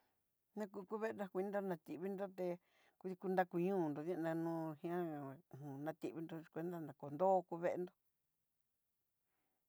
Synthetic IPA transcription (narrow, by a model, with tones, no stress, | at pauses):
nã˦˧kuː˧ku˦βe˦˧nã˧kʷi˧ĩ˦nd̪o˦nã˧t̪i˧βi˦nd̪o˦t̪e˧ | ku˧ði˧ku˧nd̪a˦˧ku˧ɲũː˦˨nd̪o˨ðã˦˧nã˧nũː˧˦hĩ˧ã˦˨hũ˨nã˧t̪i˧ʔβi˧nd̪o˧kʷe˧nd̪a˦˧nã˨ko˨nd̪oː˦˧ku˧βe˦e˧nd̪o˦